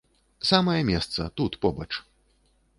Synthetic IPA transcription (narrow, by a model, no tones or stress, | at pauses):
samɐjɐmʲɛst̪sɐ̰t̪ut̪pɔbɐt͡ʂ